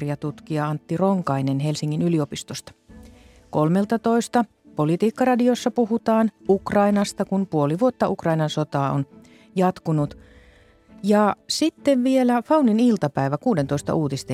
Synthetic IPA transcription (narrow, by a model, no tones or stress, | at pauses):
riɑt̪ut̪kiɑɑnt̪ːiroŋkɑinenhelsiŋːinyliopist̪ost̪ɑ̥ | kolmelt̪ɑt̪oist̪ɑ | polit̪iːkːɑrɑdiosːɑpuhut̪ɑːnukrɑinɑst̪ɑkunpuoliʋuot̪ːɑʔukrɑinɑnsot̪ɑːo̰n | jɑt̪kunut̪ | jɑsit̪ːeʋʋielæfɑuninilt̪ɑpæiʋækuːdent̪oist̪ɑ̰ʔuːt̪ist̪e